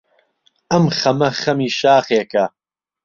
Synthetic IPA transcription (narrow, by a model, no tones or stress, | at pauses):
ɐmχɐmɐχɐmiːʃaːχeːkɐ